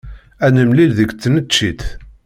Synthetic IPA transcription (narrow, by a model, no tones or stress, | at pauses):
ænəmlilðəɡt͡sːnət͡ʃːit̪